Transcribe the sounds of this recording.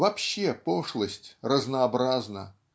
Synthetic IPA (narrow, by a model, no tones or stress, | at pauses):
vɐpɕːepɔʂlˠəsʲtʲrəznəːbɾaznə̰